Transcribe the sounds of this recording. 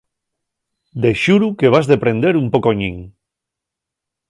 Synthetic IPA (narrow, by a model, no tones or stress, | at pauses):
d̪eʃuɾukeβ̞azðepɾẽnd̪eɾumpokoɲiŋ